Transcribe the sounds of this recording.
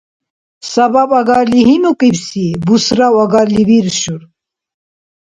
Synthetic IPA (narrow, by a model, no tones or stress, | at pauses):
sɐbabaɡaɾliɦinukʼibsibusɾawaɡaɾlibiɾɕuɾ